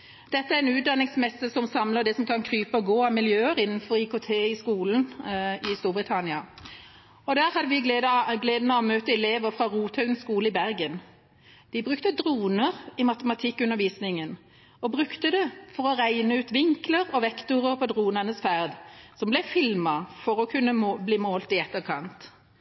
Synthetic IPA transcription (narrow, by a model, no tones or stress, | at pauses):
d̪̥ɛt̪ːəæʁɛnʉːt̪̚d̪ɑnɪŋsmɛsːəsɔmsɑmləd̪ɛsɔmkʰɑnkʰʁyːpəɔɡoːɑmɪljøːəʁɪnn̩fɔɾɪkʰot̪ʰeːɪskuːln̩ɪst̪uːʁbʁɪt̪ʰɑnɪɑ | ɔd̪æːɾhɑd̪ːəʋɪɡ̪d̪ɡleːd̪nɑɑmøːt̪əɛleːʋəʁfʁɑʁuːt̪ʰhœʉnskuːləɪbæʁɡən | d̪̥ɪbʁʉkt̪əd̪ʁuːnəʁɪmɑt̪əmɑt̪ʰɪkːʉnːəʁʋiːsnɪŋən | ɔbʁʉkt̪əd̪ɛfɔʁɔʁæɪnəʉːt̪ʋɪŋkləʁɔʋɛkt̪ʊʁəʁpʰɔd̪ʁuːnəʁnəsfæʁd̪sɔmblɛfɪlmɑfɔʁɔkʰʉnːəbliːmoːlt̪ɪɛt̪ːəʁkʰɑnt̪